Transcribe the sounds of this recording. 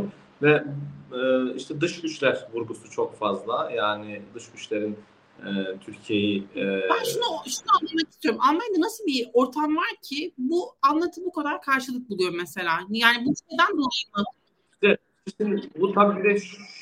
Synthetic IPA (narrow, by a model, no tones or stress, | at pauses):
vɛː | iʃt̪ʰɛd̪ɯʃɟyt͡ʃlʲæɾvuɾɡusut͡ʃʰokfazlˠajaːnɪd̪ɯʃɟyt͡ʃlʲe̞ɾin | ɛt̪ʰyɾcʰije̞jibænʃunoʃund̪anˠamakist̪ʰyjo̞ɾumʔalˠmajad̪anasɯlˠbio̞ɾt̪ʰamvaɾcʰibuanlˠat̪ʰɯmbukad̪aɾkʰaɾʃɯlˠɯk̚bulˠujo̞ɾmese̞lʲaːjaːnibui̥t̪ʰed̪ænd̪onˠajɯmat̪ʰɯ | d̪ɛ | isind̪but̪ʰabibid̪ɛʃ